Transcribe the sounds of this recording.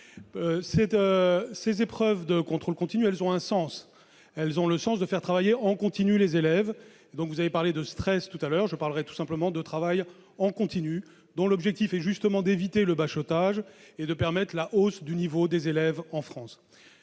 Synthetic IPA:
sɛt̪øsezepχœvd̪əkɔ̃t̪χolkɔ̃t̪inyɛlzɔ̃ɛ̃sɑ̃s | ɛlzɔ̃ləsɑ̃sd̪əfɛʁ̥t̪χavajeɑ̃kɔ̃t̪inylezelɛv | ed̪ɔ̃kvuzavepaʁled̪əst̪χɛst̪ut̪alœʁʒəpaʁləʁɛt̪u̥sɛ̃pləmɑ̃d̪ət̪χavaj | ɑ̃kɔ̃t̪iny | d̪ɔ̃lɔbʒɛk̚t̪ifɛʒyst̪əmɑ̃d̪evit̪eləbaʃɔt̪aʒed̪əpɛʁmɛt̪χlaʔosd̪ynivod̪ezelɛvɑ̃fχɑ̃s

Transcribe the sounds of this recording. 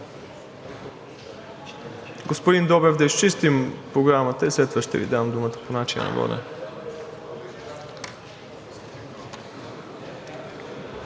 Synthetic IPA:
ɡospod̪ind̪ɔbɛvd̪ɐiʃt͡ʃist̪impɾoɡɾamət̪əislɛt̪vəʃt̪ɛ̰vḭd̪amd̪umət̪ə̥ponat͡ʃin̰nɐ̰vɔ̰nɛ̰

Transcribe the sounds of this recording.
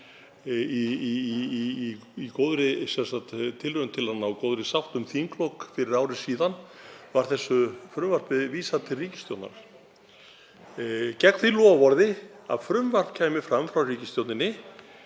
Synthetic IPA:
i | ikoːwðɾɪsɛnsat̪t̪ʰɪlrœʏnt̪ʰɪlanːaɔkoːwðɾɪsawht̪ʏmθiŋklowkfɪɾɪɾaːwɾɪsiːðanvaɾ̥θɛsːʏfɾʏmvar̥pɪðviːsat̪ʰɪlriːcɪ̥st̪jowt̪na̰ɾ | cɛkn̥θilɔːvɔɾðɪ | a̰ðfɾʏmvar̥pcʰaːjmɪfɾamfɾawriːcɪst̪jowt̪nɪnːɪ

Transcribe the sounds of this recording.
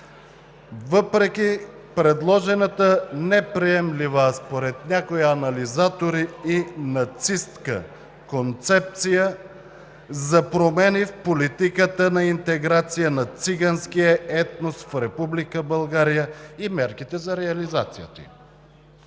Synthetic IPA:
vɤpɾɛk̟ʲi | pɾɛd̪lˠɔʒɛnət̪ənɛpɾiɛmlivəspoɾɛt̪nʲakoiɐnɐlizat̪oɾiinɐt̪sist̪kə̰ | kont̪sɛp̚t̪sijə | zɐpɾomɛnifpolit̪ikət̪ənɐint̪ɛɡɾat̪sijənɐt̪siɡanskijəɛt̪nost̪fɾɛpublikəbəlˠɡaɾijəimɛɾkit̪ɛzɐɾɛɐlizat̪sijət̪ḭ

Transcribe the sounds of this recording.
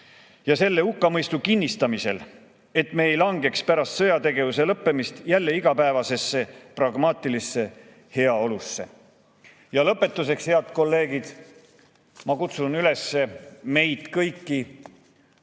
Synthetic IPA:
jɑse̞lːe̞ukːɑmɤjst̪ukinʲːist̪ɑmise̞̰l | e̞t̪me̞ːjlɑŋɡe̞kspæɾɑst̪sɤ̞jɑt̪e̞ɡe̞vuse̞lɤpːe̞mist̪jælːe̞iɡ̥ɑpæevɑse̞sːe̞prɑɡ̥mɑːt̪ˑilisːe̞ | he̞ɑo̞lusːe̞̰ | jɑlɤpːe̞t̪ːˑuse̞kshe̞ɑd̪̥ko̞lːe̞ːɡid̪̥ | mɑkut̪sunyle̞sːe̞me̞jt̪kɤjkːi

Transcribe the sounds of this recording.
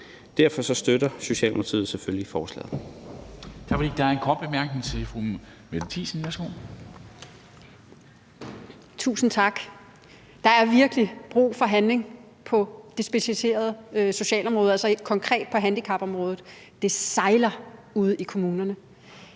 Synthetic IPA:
d̥æɐfɒ̽sɒ̽sd̥ødɐso̝ɕɛ̰ːlm̰t͡sʰḭð̩ˠseføljifɒːslɛ̰ːðˠ | t͡sʰɑ̈ɡ̥fdḭd̥ɑ̈æɐenkʰɒ̰ːd̥̚b̥emæɐɡ̥ne̝ŋt͡sʰe̝fʁu | medt͡sʰḭːsn̩jæsɡ̥oː | t͡sʰṵːsn̩t͡sʰɑ̈ɡ̥ | d̥ɑ̈æɐʋiɐɡ̥əlib̥ʁṵːfɒ̽ɦænle̝ŋ | pʰɒ̽d̥e̝sb̥e̝ɕælise̝̰ːɐð̞̩ˠso̝ɕɛ̰ːlɒ̽mʁɔ̽ːð̞̩ˠælsɒ̽kʰɒ̽ŋkʰʁɛ̰ːd̥̚pʰɒ̽ɦænd̥ikʰɑ̈b̥ɒ̽mʁɔːð̞̩ˠ | d̥e̝sɑ̈ɪlɐuð̞ˠikʰo̝muːnɐnə

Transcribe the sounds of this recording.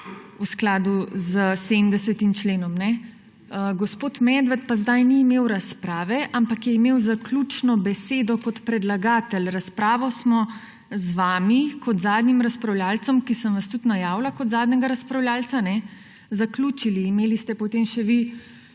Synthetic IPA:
usklaːd̪uzəsemd̪ɛsɛt̪imt͡ʃleːnɔmnɛ | əɡɔspoːt̪mɛd̪ʋat̪̚pazd̪ajniːmewɾaspɾaːʋɛʔampakjɛimewzaklʲut͡ʃnɔbɛseːd̪ɔkɔt̪pɾɛd̪laɡaːt̪ɛlɾaspɾaːʋɔsmɔ | zʋaːmikɔt̪zaːd̪nimɾaspɾawlʲjaːlt̪sɔmkisənʋast̪ut̪najaːwlakɔd̪zaːd̪nɛɡaɾaspɾawljaːltt͡s̪sanɛ | zaklut͡ʃiliːmeːlist̪ɛpɔt̪emʃɛʋi

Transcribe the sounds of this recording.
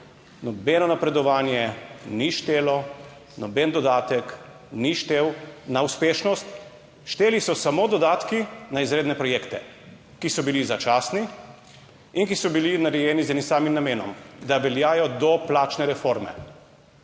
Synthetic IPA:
nɔbeːnɔnapɾɛd̪ɔʋaːnjɛniʃt̪eːlɔ | nɔbend̪ɔd̪aːt̪ɛk | niʃt̪eːwnauspeːʃnɔst̪ | ʃt̪eːlisɔsamod̪ɔd̪aːt̪kinaizɾeːd̪nɛpɾɔjeːkt̪ɛ | kisɔbilizat͡ʃaːsni | inkisɔbilinaɾɛjɛːnizɛnimsaːmimnameːnɔmd̪aʋɛljaːjɔd̪ɔplaːt͡ʃnɛɾɛfoɾmɛ̰

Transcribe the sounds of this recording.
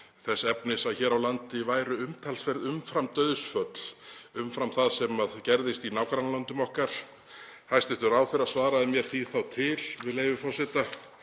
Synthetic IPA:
θɛsːɛpnɪsaðçɛːɾawlant̪ɪvaːjɾʏʏmt̪ʰalsfɛɾðʏmfɾamt̪œːɥðʏsfœt̪l̥ʏmfɾamθaðsɛmaðcɛɾðɪst̪inaːwkʰaɾanlant̪ʏmɔhkaɾ̥ | hajst̪ɪht̪ʏɾaːwθɪɾaðsvaːɾaðɪmjɛɾ̥θiθawt̪ʰɪlvɪðlejvʏfɔr̥sɪt̪a

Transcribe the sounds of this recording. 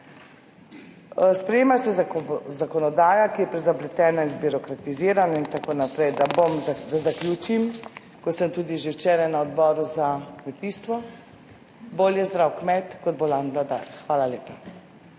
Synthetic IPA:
spɾɛjeːmasɛzakɔnɔd̪aːjakijɛpɾɛzablɛt̪ɛːnainbiɾɔkɾat̪iziːɾanaint̪akoːnapɾɛjd̪abomd̪azakljuːt͡ʃim | kɔsəmt̪uːd̪iʒewt͡ʃeːɾajnaɔd̪bɔːɾuzakmɛt̪iːst̪ʋɔ | boːljɛzd̪ɾawkmɛt̪kɔd̪̚bolanblad̪a̰ɾxʋaːlaleːpa

